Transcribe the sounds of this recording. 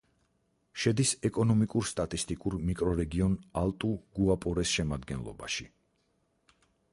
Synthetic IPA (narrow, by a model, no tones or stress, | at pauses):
ʃɛd̪isɛkʼɔnɔmikʼuɾst̪ʼat̪ʼist̪ʼikʼuɾmikʼɾɔɾɛɡiɔnalˠt̪ʼuɡuapʼɔɾɛsʃɛmad̪ɡɛ̰nlˠɔ̰ba̰ʃi